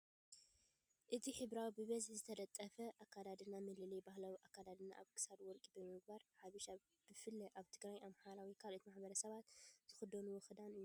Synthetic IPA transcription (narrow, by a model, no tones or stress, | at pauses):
ʔɨt̪ʰiħɨβɾawbɨβɐzħzɨt̪ʰɐd̪ɐt̪ʼːɐfɐʔakːad̪ad̪ɨnamɨlɨlɐjbahlawiʔakːad̪ad̪ɨnːa̰ʔaβkʰɨ̥sad̪wɔɾkʼibɨmɨɡ̚baɾħaβɨʃa | b̥ɨfɨlːɐʔaβt̪ʰɨɡɾajʔamħaɾawikʰalʔot̪imaħbɐɾɐsɐβat̪z̥ɨxɨd̪ɐonuwɔxɨd̪anɨju